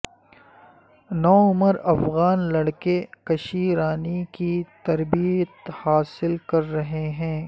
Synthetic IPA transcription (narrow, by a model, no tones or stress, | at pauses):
nɔːʊməɾɐfɣaːnlɐɽkekɐʃiːɾaːnikit̪ɐɾbiət̪haːsɪlkɐɾːɐɦeɦɛ̃ː